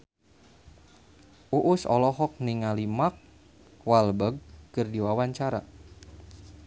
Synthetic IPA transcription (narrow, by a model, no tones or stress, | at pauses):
ʔuʔusɔ̰lɔɦɔk̚niŋalimak̚ | walbəɡ̚kɨrdiwawaɲt͡ʃaɾa̰